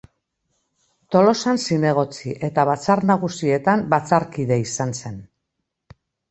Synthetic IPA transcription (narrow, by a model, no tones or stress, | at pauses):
t̪o̞lo̞sansine̞ɣ̞o̞t͡siʔe̞t̪aβ̞at͡saɾnaɣ̞usie̞t̪ambat͡saɾkiðe̞isanse̞n